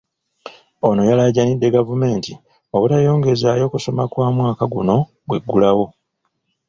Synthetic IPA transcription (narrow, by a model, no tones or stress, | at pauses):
o̞no̞jalaɟanidːe̞ɡavume̞ːnti | o̞βutajo̞ːŋɡezaːjo̞kuso̞makwaːmwaːkaɡuno̞ | ɡwe̞ɡːulawo̞